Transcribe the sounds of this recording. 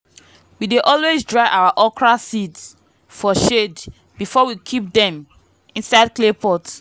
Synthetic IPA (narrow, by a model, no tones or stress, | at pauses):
wideʔɔlwezdɹaɪʔawaʔɔkɹasits | fɔʃed | bifɔwikʰip̚dɛ̃m | ĩnsaɪd̚klepɔt